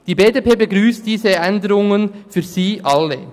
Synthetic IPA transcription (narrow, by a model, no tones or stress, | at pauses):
d̥iːbeːdepʰeːbəɡʁyːst̚d̥iːzəɛndəɾʊŋənfyːziːʔɑlːe